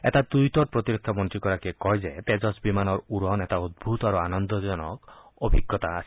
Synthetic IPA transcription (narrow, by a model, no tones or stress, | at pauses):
ḛt̪at̪ujt̪ɔʈ̚pɾɔt̪iɾekʰːamɔnt̪ɾikɔɾakekɔɦjd͡ʒet̪ed͡ʒɔsbimanɔɾuɾɔnet̪aud̪̚bʱut̪ɔaɾuanɔnd̪ɔd͡ʒɔnɔ̰k | ɔbʱiɡːɔt̪aːsʰi̥